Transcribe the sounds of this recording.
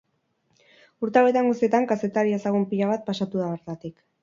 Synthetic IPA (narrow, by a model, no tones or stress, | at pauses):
uɾt̪awe̞t̪aŋɡust̪ie̞t̪aŋkase̞t̪aɾiasaɣumpiʎaβat̪̚pasat̪uðaβeɾt̪at̪ik